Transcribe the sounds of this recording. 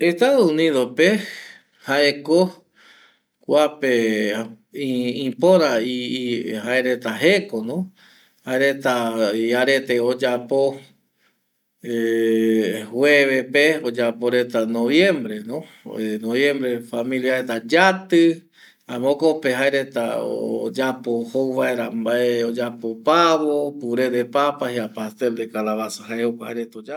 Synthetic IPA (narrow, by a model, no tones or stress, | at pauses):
est̪aðouniðope | haeko | kʷape | ĩpoɾaihaeɾe̞t̪aɦekonõ | haeɾet̪aiaɾe̞t̪eod͡ʒapo | e | hweβepeod͡ʒapo̞ɾe̞t̪anoβjẽ̞mbɾe̞nõ | noβjẽ̞mbɾe̞famĩljaɾet̪ad͡ʒat̪ɨ | ãmõkopeɦaeɾe̞t̪a̰ood͡ʒapohowβaeɾambaeod͡ʒapopaβopuɾe̞d̪e̞papahiapast̪eld̪ekalaβasḁɦaehokʷahaeɾe̞t̪od͡ʒa